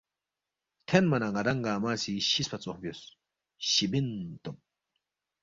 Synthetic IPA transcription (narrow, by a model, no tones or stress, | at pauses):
t̪ʰɛnmɐnɐɡɐd̪ɐŋɡaːmaːsɪʃɪspɐt͡sʼɔhbɪjɔs | ʃɪbɪnt̪ʼɔm